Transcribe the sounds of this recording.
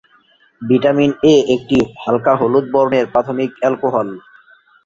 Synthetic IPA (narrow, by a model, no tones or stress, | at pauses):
biʈamineek̚ʈihalkaɦolut̪̚bɔɾoneɾpɾat̪ʰomikɛlkoɦɔl